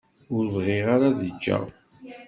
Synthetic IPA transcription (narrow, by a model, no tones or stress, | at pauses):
ʊɾvʁiʁaɾaðəd͡ʒːa̰ʁ